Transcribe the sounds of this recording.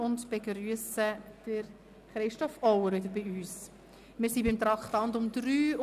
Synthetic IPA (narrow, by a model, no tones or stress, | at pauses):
ʊndb̥eɡɾyəsəd̥əɾ | χɾɪʃtɔfɔwəɾvɪdəɾbiyːs | mɪːɾsibɪmt̪ɾɑktɑnd̪ʊmdɾyː